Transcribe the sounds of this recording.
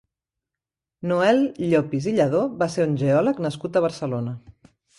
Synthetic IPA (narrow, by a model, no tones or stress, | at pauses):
nuɛlʎopiziʎəðoβaseɾunʲʒeɔləknəskut̪əβ̞əɾsəlonə